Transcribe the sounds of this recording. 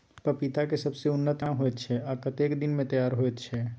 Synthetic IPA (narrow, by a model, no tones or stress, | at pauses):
pəpit̪akesɐbseʊnːət̪aɦoɛt̪t͡ʃʰɛaːkət̪eːkd̪ɪnmẽt̪ɐjaːɾɦoɛt̪t͡ʃʰɛː